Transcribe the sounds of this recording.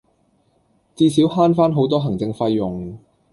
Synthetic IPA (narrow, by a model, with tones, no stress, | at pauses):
t͡siː˧siː˨˥wɦaː˥nfaː˥nɦo˨˥wt̪ɔː˥ɦɐ˨˩ŋt͡sɪ˧ŋfɐ˧jːʊ˨˩ŋ